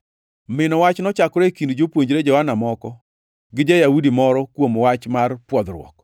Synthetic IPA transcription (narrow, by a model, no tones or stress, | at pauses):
mɪnɔwat͡ʃnɔt͡ʃakɾekindd͡ʒopwoɲd͡ʒɾed͡ʒɔhanamɔkɔ | ɡɪd͡ʒajaudimɔɾɔkwomwat͡ʃmarpwɔd̪ɾwɔ̰k